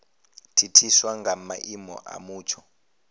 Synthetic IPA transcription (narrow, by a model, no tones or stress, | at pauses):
tʰitʰiswaŋɡamaʔimɔ̰ʔa̰muːt͡ʃʰɔ